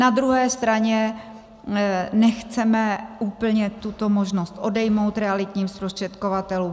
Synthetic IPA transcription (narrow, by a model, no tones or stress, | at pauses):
nad̪ɾuɦɛːst̪ɾaɲɛ | nɛxt͡sɛmɛʔuːpl̩ɲɛt̪ut̪o̞mo̞ʒnost̪ʔo̞dɛjmo̞wt̪ɾɛalɪt̪ɲiːmspɾost̪r̝̥ɛt̪ko̞vat̪ɛluːm